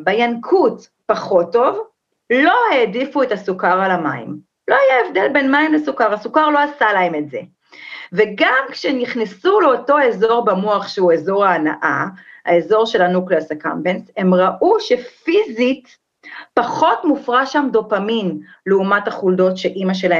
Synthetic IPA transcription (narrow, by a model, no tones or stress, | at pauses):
bajankʰut | paχo̞tːo̞v | lo̞heːdifuethasukaʁalamaḭm | lo̞ajaevde̞lbenmaimlesukaʁasukaʁlo̞asalae̞metze̞̰ | veɡamkʃeniχnisuleoto̞e̞zo̞ʁbamuaχʃeuezo̞ʁaːna̰ʔa̰a̰ezo̞ʁʃe̞lanukleasaka̰mbenshe̞mʁaʔuʃe̞fizit | paχo̞tmufʁaʃamdo̞pamimleumathaχuldo̞tʃeʔimaʃe̞lae